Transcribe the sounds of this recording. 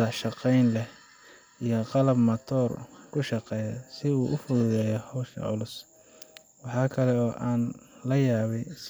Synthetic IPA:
ɐʃɑqɛjnlɛh | ijɔqɑlɐbmɐt̪ʰɔːrkʰʊʃɑqɛːjɐ̰sɪuːʔʊfʊðʊðɛːjɔhɔwʃɐ̰ʕʊlʊs | wɑħɑːkʰɐlɛɔːʔaːnlɐjaːβɛjs

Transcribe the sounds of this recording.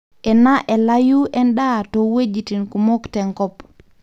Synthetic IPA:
ʔɛnaʔɛlajuʔɛnɗatɔwed͡ʒitinkumoktɛŋkɔp

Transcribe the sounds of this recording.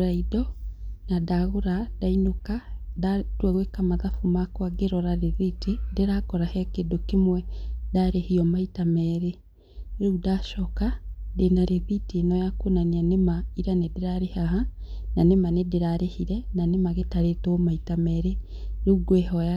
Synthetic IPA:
ɾaidɔnadaɣoɾadainokadatwɛɣwekamaðafumakwaɡeɾɔɾaɾeðitedeɾakɔɾahɛkedokemwɛdaːɾehiɔmaitamɛɾe | ɾeudaʃɔkadenaɾeðiteenɔjakonanianemaiɾanedeɾaɾehaɦananemanedeɾaɾehiɾɛnanemaɣetaɾetomaitamɛɾe | ɾuuɡwehɔja

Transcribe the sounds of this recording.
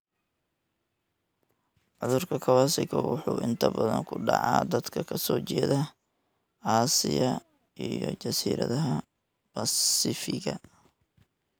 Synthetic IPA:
ʕʊðʊrkʰɐkʰɐwaːsɪɣɐwʊħuːʔɪnt̪ʰɐbɐðɐŋkʰʊɖɑʕɑːd̪ɐd̪kʰɐkʰɐsɔːt͡ʃɛːðɐ | ʕɑːsɪjɐ | ʔijɔt͡ʃɐsiːɾɐðɐɦɐ | bɐsɪfɪɣɐ

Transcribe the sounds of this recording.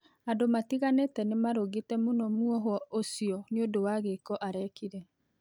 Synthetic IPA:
adomatiɣanetɛnemaɾoɣetɛmonɔmuɔɦɔosiɔneodowaɣekɔʔaɾɛkiɾɛ

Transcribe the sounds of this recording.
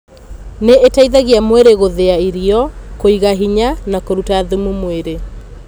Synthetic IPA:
neetaiðaɣiamweɾeɣoðeaiɾiɔkoiɣaɦiɲanakoɾutaːðumumweɾe

